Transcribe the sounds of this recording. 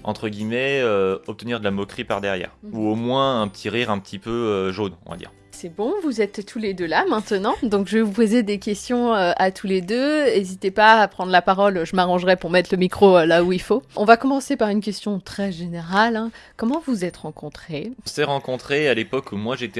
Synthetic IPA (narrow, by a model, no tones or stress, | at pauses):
ɑ̃t̪χəɡʲimɛøɔp̚t̪əniʁd̪əlamɔkχipa̰ʁd̪ɛʁjɛ̰ːʁuomwɛ̃ɛ̃pət̪ʰiʁiʁɛ̃pət̪ʰipøøʒonɔ̰̃va̰d̪ḭːʁ | sɛbɔ̃vuzɛt̪ʰːuled̪ølamɛ̃t̪ənɑ̃d̪ɔ̃kʒəvupozed̪ekʲɛst̪jɔ̃øat̪ʰuled̪øezit̪epaːpχɑ̃d̪ʁəlapaʁɔlʒəmaʁɑ̃ʒʁɛpuʁmɛt̪ləmikχolauilfoɔ̃vakɔmɑ̃sepaʁynkʲɛst̪jɔ̃t̪χɛʒeneʁalɛ̃kɔmɑ̃vuzɛt̪ʁɑ̃kɔ̃t̪χeɔ̃sɛʁɑ̃kɔ̃t̪χealepɔkʰumwaʒet̪ɛ